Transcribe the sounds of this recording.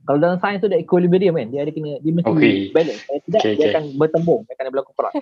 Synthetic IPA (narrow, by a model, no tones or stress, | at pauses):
kaladalamsajənst̪udaikulibəɾiəmkandiəadakənədiəməsikebaləsajat̪idaʔdiakanbərt̪əmbʊŋakanabəlakukoɾa̰s